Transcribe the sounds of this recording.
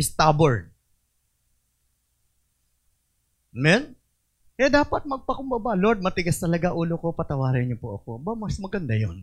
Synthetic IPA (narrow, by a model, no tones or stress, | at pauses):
ɪst̪aboɹd̪̚ | mɛn | ʔɛd̪aːpɐt̪̚mɐɡ̚pɐkʊmbɐbaloɾd̪̚mɐt̪ɪɡast̪ɐlɐɡaʔuːlokopɐt̪ɐwaːɾɐɲɲopoʔɐko̞bɐmɐsmɐɡɐnd̪ajo̰n